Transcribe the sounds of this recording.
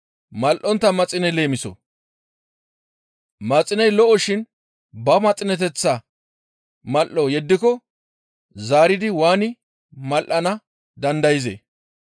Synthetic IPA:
mɐlʔɔnt̪ːɐmɐt͡sʼɪnɛle̞ːmɪsɔ̰ | mɐt͡sʼːɪnɐjlɔʔɔʃɪn | bɐmɐt͡sʼɪnɛt̪̬ɛt͡sːɐ | mɐlʔɔjɛd̪ːɪkɔ | zaːɾɪd̪ɪwaːnɪ | mɐlʔɐnɐ | d̪ɐnd̪ɐjɪzḛː

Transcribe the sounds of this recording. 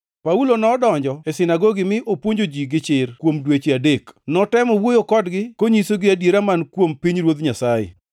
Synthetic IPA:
paulonɔːdɔɲd͡ʒɔesɪnaɡoɡɪmɪʔopwoɲd͡ʒod͡ʒiɡɪt͡ʃɪrkwomdwet͡ʃeadeknɔtɛmɔwojokɔdɡɪkoɲisoɡɪadjeɾamankwompiɲɾwod̪ɲasajḛ

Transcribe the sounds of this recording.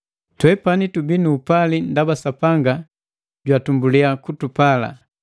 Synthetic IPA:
twɛpanitubinuːpalindabasapaŋɡa | ɟwatumbuliakutupala̰

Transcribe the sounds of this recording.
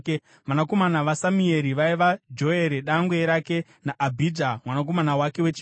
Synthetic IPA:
manako̞manaʋasamue̞ɾiʋaiʋad͡ʒo̞e̞ɾeɗaŋɡweɾake̞ | naʔːbʱidʱamwanak̬o̞manawake̞wet͡ʃi

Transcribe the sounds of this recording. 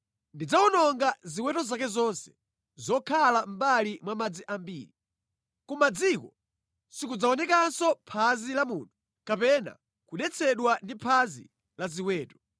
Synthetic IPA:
ndid͡zawunɔŋɡaziwɛtɔzakɛzɔnsɛ̥ | zɔkʰalam̩balimwamad͡ziʔambḭːɾi | kumad͡zikɔ | sikud͡zaɔnɛkansɔpʰazilamṵːnu | kapɛna̰ | kuɗɛt͡sʰɛɗwandipʰazḭ | laziwɛːtɔ̥

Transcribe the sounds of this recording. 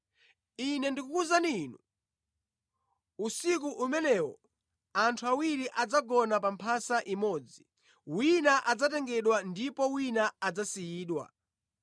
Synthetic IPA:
inɛndikukuzaninu | usik̬uʔumɛnɛwɔ̰ | antʰuawiɾiʔad͡zaɡɔnapampʰasaʔimɔːd͡zi | winaʔad͡zatɛŋɡɛɗwandipɔwinaad͡zasijiːɗwa̰

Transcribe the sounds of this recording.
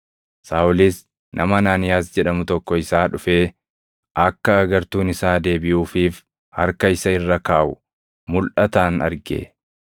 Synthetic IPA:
saːʊlis | nʔɐ̰mɐnaːnɪjaːsd͡ʒɛᶑɐmʊt̪ɔkːɔɪsaːᶑʊfeː | ʔɐkːɐːɡɐɾt̪uːnɪsaːd̪e̞ːbɪʔuːfiːf | hɐ̰ɾkɐɪsɐɪrːɐkaːʔʊ | mʊlʔɐt̪aːnɐ̰ɾɡḛː

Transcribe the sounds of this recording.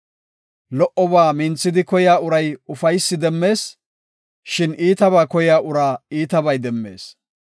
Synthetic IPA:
lɔʔɔbaːmɪnt͡sːɪd̪ɪkɔjaːʊɾɐjʊfɐjsːɪd̪ɛmːe̞ːs | ʃɪniːt̪ɐβaːkɔjaːʔʊɾaːiːt̪ɐbɐjd̪ɛmːe̞̰ːs

